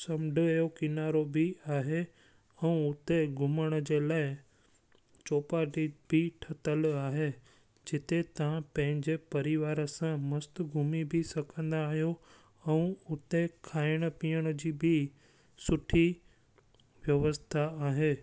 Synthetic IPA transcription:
sɐmɖʱʊjokɪnaːɾobʱɪaːɦe | ɛ̃ũʊt̪eɡʱʊməɽ̃ə̆d͡ʑeːlaːɪ | t͡ɕoːpaːʈibʱɪʈʰɐt̪əlaːɦe | d͡ʑɪt̪et̪ɐʋ̤ãpɐ̃ɦɪ̃ɲd͡ʑepɐɾɪʋaːɾə̆sãmɐst̪ʊɡʱʊmibʱɪsɐkʰə̃nd̪aːɦijo | ɛ̃ũʊt̪ekʰaːɪɽ̃ə̆piːjəɽ̃əd͡ʑiːbʱɪ | sʊʈʰi | ʋjɐʋəst̪ʰaaːɦeː

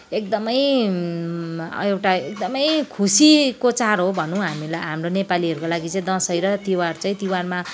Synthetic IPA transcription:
ek̚d̪ʌmʌj | ewʈaekd̪ʌmʌjkʰusikot͡sarɦobʱʌnũɦamilajɦamronepaliɦʌɾukolaɡit͡sʌĩd̪ʌ̃sʌjɾʌt̪iwart͡sʌĩt̪iwarma

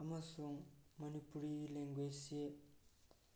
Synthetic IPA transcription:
amasɔŋmʌnipuɾileŋɡojse

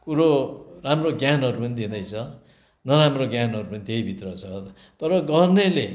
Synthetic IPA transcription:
puɾoramroɡjanʌɾupʌnid̪ĩnd̪ʌjt͡sʰʌ | nʌɾamroɡjanʌɾupʌnit̪eibʱit̪rʌt͡sʰʌ | t̪ʌɾʌɡʌrnele

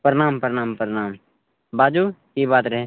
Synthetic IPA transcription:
pəɾɪnaːmpəɾɪnaːmpəɾnaːm | baːd͡ʒuːkibaːt̪ɾəɦeː

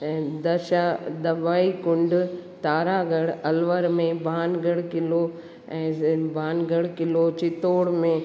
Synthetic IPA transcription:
d̪ɐʃad̪ɐʋaːikʊ̃ɳɖt̪aːɾaɡɐɽɐlʋəɾmẽbʱaːnɡɐɽkɪlo | ɛ̃ːbʱaːnɡɐɽkɪlot͡ɕɪt̪oːɽmẽ

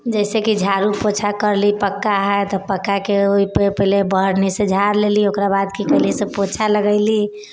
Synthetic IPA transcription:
d͡ʒɛɪsekid͡ʒʱaɾupot͡ʃʰakəɾlipəkːaɦɛt̪ɔpəkːakeoippəɦilebəɦɾnised͡ʒʱaɾleliokɾabad̪kikəɦlisepot͡ʃʰaləɡəɪli

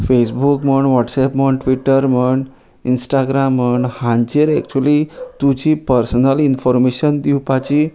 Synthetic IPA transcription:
fesbukməɳʋɔʈsɛpməɳʈʋiʈəɾməɳɖ | insʈaɡɾamːəɳɖhãɲt͡ɕeɾɛk̚t͡ɕuəlit̪ud͡ʑipəɾsnəlinfɔɾmeɕənd̪iwpat͡ɕi

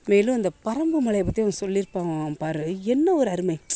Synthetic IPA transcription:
meːlɯ̃ɐnd̪ɐpɐɾɐmbɯmɐɭɐjɐpːɐt̪ːiɐnːɐsɔlːɪɾɯpːaːʋãpaːɾɯɛnːɐɔɾɯɐɾɯmɐɪ

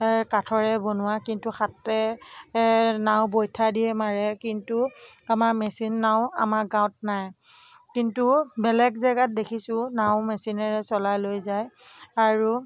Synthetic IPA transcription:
katʰɔɹɛbonʊwakintuxatːɛ | naʊ̃bojtʰadiɛmaɹɛkintuamaɹmɛsinːaʊ̃a̰maɹɡaw̃tnaj | kintubɛlɛɡzaɡat̚dekʰisʊ̃naʊ̃mɛsinaɹɛsɔlajlojzaj | aɹu

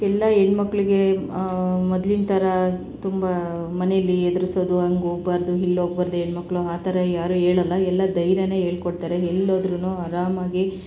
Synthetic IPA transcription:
ɛlːɐeɳmɐkːɐɭiɡe̞ | mɔd̪lint̪ʰɐɾɐ | t̪umbɐ | mɐnejɐlːiɛd̪ɐɾiso̞ːd̪uɦɐŋɡoːɡ̚baːɾd̪uɦilːoːɡ̚baːɾd̪ueɳmɐkːɭuaːt̪ʰɐɾɐjaːɾueːɭɐlːɐɛlːɐd̪ɐjɾjɐne̞ːɦeːɭkoɽt̪aːɾeɦɛlːoːd̪ɾunuːɐɾaːmaːɡi

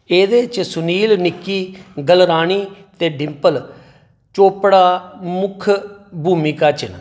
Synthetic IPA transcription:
eːd̪eːt͡ʃsʊniːlnɪkːiːɡəlɾaːɳ̃iːt̪eːɖɪmpəl | t͡ʃoːpɽaːmʊkʰbʱuːmɪkaːt͡ʃɪn

